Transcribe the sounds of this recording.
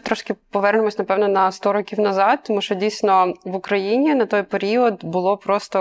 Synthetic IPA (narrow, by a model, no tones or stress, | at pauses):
t̪ɾɔʃkɪpɔʋɛrnemɔsʲnɐpɛwnɔnɐst̪ɔɾɔkʲiwnɐzɑd̪̚t̪ːɔmuʃt͡ʃɔdʲijsʲnɔʋʊkɾɐjinʲinɐt̪ɔjpeɾʲiɔd̪bʊlˠɔpɾɔst̪ɔ